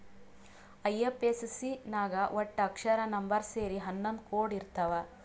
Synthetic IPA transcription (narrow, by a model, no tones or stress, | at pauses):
ɐjːepessinaːɡɐʋʔɔʈːɐkʂɐɾɐnɐmbɐɾseːɾiɦɐnːɐnd̪koːɖiɾt̪ɐʋɐ